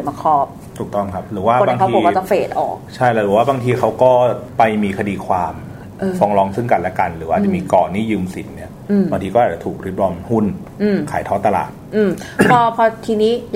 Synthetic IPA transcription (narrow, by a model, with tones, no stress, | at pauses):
ma˧˩kʰɔː˦˥p̚ | t̪ʰu˨˩k̚t̪ɔ˥˩mkʰa˦˥p̚ɾɯː˩˦waː˥˩˨baː˧ŋt̪ːiːo˨˧˦kːɔ˦t͡ɕa˨˩feː˨˩t̪̚ʔɔ̰ː˨˩k̚t͡ɕʰa˥˩jlɛ˦˥˩ɾɯː˩˦waː˥˩baː˧ŋt̪ʰiː˧kʰa˦˥wkɔː˥˩pa˧jmiː˧kʰa˧diː˧kʰwaː˧m | ʔfɔː˧ŋlɔː˧ŋsʰɯ˥˩ŋka˧nlɛ˦˥ka˧nɾɯː˩˦waː˥˩t͡ɕa˧˨˩miː˧kɔː˨˩niː˥˩jɯː˧msi˨˩˦nːi˦˥˩ɐ˧˩ | baː˧ŋt̪ʰiː˧kɔː˥˩ʔa˨˩t͡ɕa˨˩t̪ʰuː˨˩k̚ɾi˦˥p̚lɔː˧mhu˥˩n | ʔɯː˧˩mkʰa̰ː˩˦jt̪ʰɔː˥t̪ːa˧la̰ː˨˩t̪̚ʔɯː˧˩mpʰɔ˧pʰɔ˧t̪ʰiː˧niː˦˥j